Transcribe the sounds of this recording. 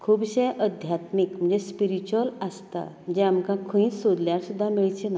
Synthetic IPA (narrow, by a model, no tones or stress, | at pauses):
kʰuːbɕẽʔəd̪ʱjat̪mikm̤ə̃ɳd͡zespiɾit͡ɕuələst̪a̰m̤əd͡zeamkãkʰəĩːsod̪ljaɾsud̪ʱːamiɭt͡ɕena